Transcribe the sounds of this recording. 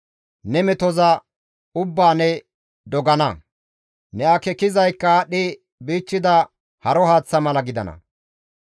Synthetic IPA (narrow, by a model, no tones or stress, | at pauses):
nɛmɛt̪ɔzɐ | ʊbːaːnɛ | d̪ɔɡɐnɐ | nɛɐkɛkɪzɐjkːɐɗɪ | biːt͡ʃːɪd̪ɐ | hɐɾɔhaːt͡sːɐmɐlɐɡɪd̪ɐ̰nɐ̰